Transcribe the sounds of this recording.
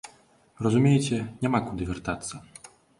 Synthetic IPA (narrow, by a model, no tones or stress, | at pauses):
ɾɔzumʲejɛt͡ɕʲɛnʲɛmakud̪ɨvʲɛrt̪at̪sːɐ